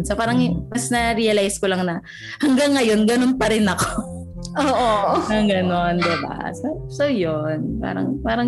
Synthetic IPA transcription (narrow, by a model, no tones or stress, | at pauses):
nsɐpaːɾɐŋmɐsnɐɾiːɐlajskolɐŋnɐ | hɐŋɡaŋːɐjo̞nɡɐnonpɐɾɪnɐko | ʔoːʔoɐɡɐno̞nd̪ɛba̰so | sowjonpa̰ːɾɐ̰ŋpaːɾɐŋ